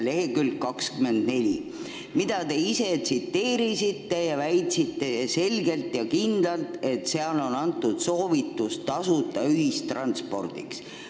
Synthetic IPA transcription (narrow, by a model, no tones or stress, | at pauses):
le̞ɦekylkkːɑkskyme̞nd̪̥ne̞lʲi | mid̪̥ɑt̪e̞ise̞t̪sit̪ːe̞ːɾisit̪ːe̞jɑvæjt̪ʲsit̪ːe̞se̞lɡe̞lt̪jɑkind̪̥lɑlt̪e̞t̪seɑlo̞nɑnt̪ːˑud̪̥so̞ːvit̪ːustt̪ɑsut̪ːˑɑyɦistt̪ːrɑnt̪spo̞̰rd̪̥ḭks